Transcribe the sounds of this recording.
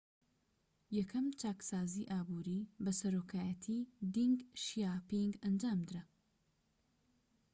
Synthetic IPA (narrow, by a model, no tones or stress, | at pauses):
jɐkʰɐmt͡ʃaːksaːziːʔaːbuːɾibɐsɐɾoːkʰaːjɐt̪ʰiːd̪iŋɡʃjaːpiŋɡɐnd͡ʒaːmd̪ɨɾɐ